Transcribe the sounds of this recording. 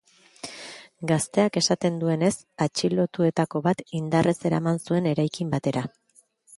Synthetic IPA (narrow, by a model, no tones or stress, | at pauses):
ɡast̪e̞ake̞sat̪e̞nd̪ue̞ne̞s | at͡ʃilo̞t̪ue̞t̪ako̞βat̪ind̪are̞se̞ɾa̰mansue̞ne̞ɾajkimbat̪e̞ɾa